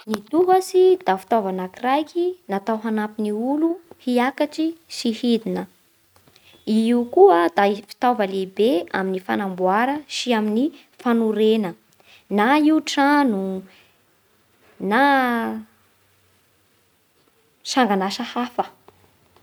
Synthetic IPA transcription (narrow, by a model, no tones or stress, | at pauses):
nit̪uɡəsid̪afi̥t̪avanakirajkinat̪awɦanapiniuluhiakaʈ͡ʂiʃihid̪inə | iiukuəd̪aifi̥t̪ovəlebeaminifanambuaɾəʃiamini | fanuɾenə | naiuʈ͡ʂanu | na | ʃaŋɡanaʃəhafə